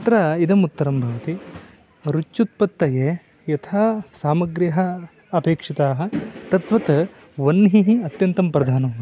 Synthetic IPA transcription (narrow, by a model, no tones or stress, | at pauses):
ɐt̪ɾɐid̪ɐmut̪ːɐɾɐmbʱɐʋɐt̪i | ɾut͡ʃt͡ʃːut̪̚pɐt̪ːɐjeː | jɐt̪ʰaːsaːmɐɡɾjɐɦɐ | ɐpeːkʂit̪aːɦɐ̆t̪ɐt̪ʋɐt̪ | ʋɐnːɦiɦiɐt̪jɐnt̪ɐmpɾɐd̪ʱaːnɐm